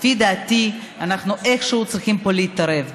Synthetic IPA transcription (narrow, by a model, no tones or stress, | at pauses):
fid̪aːt̪i | anaχnuʔeχʃuut͡sʁiχimpo̞leit̪aɾe̞v